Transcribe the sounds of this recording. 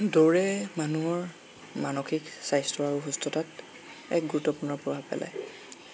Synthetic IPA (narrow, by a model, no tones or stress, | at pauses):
doɹɛmanuɔɹ | manoxiksajstɹɔaɹuɦustʰɔtat | ɛ̰k̚ɡuɹutːɔpuɹnɔɹpɹɔbʱabpɛ̰la̰j